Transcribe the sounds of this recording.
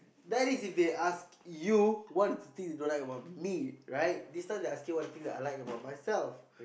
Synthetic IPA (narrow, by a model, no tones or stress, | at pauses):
dɛɾisifd̪eʔaskjuwɔt̚ət̪ĩŋsdedõlajkəbaʊt̚miɹaɪt̚distãdeaskjuwɔt̚ət̪ĩŋdɛʔalaj̃ŋəbaʊt̚majsɛlf